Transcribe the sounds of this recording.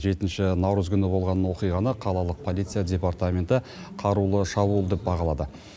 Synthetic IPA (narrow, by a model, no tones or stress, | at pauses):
ʒe̞t̪ɪnʃɪnɑwɾəzkʲʰʏnɪbo̞lˠʁɑnəwo̞qijʁɑnəqʰɑlˠɑlˠəq̚pʰo̞lˠijt̪sɨjadʲe̞part̪amʲe̞nt̪ɪ | qʰɑɾulˠəʃɑbulˠd̪e̞p̚bɑʁɑlˠɑd̪ə